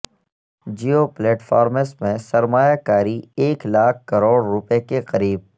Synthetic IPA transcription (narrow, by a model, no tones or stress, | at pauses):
d͡ʒiːopleːʈfʰaːɾməsmẽsɐɾmaːjakaːɾieːklaːk̚ʰkɐɾoːɽːʊpekeqɐɾiːb̚